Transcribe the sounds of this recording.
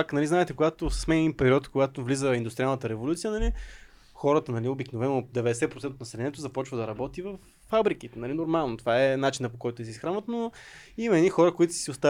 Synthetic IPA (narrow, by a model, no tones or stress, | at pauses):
aknɐliznaɛt̪ɛkoɡat̪ossmɛnɛd̪inpɛɾiɔt̪koɡat̪ovlizəind̪ʊst̪ɾialˠnət̪əɾɛvolut̪sijənɐli | xɔɾət̪ənɐliobiknovɛnod̪ɛvɛd̪ɛsɛpɾot̪sɛnt̪ot̪ɐsɛlʲɛnɛt̪ozɐpɔt͡ʃvəd̪ɐɾɐbɔt̪ivɐfːabɾikit̪ɛnɐlinoɾmalˠnot̪o̥vaɛnat͡ʃinəpokɔjt̪oɛsɛisxɾanvət̪no | imɐɛd̪ixɔɾəkoit̪ʊ̥ssiʊst̪a